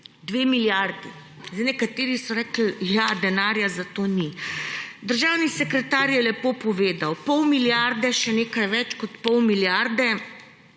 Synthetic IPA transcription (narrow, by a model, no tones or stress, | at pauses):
d̪ʋeːmiljaɾd̪i | zɛnɛkat̪eːɾisɔɾɛːkl̩jad̪ɛnaːɾjazat̪oni | d̪əɾʒawnisɛkɾɛt̪aɾjɛlɛpopɔʋeːd̪awpɔwmiljaɾd̪ɛʃɛneːkajʋɛt͡ʃkɔt̪pɔwmiljaɾd̪ɛ